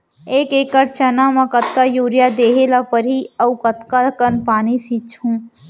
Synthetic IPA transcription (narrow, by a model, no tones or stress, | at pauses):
eːkeːkːəɾt͡ʃənamãkət̪̚kajuːɾjad̪eːɦelapəɾɦiəukət̪kakənpaːnisit͡ʃhũː